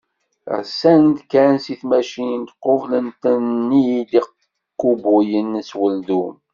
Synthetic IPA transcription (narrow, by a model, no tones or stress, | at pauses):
ʁsænd̪kænsiθmæʃint̪qovlənt̪ənːiliq | qːubujənswəld̪um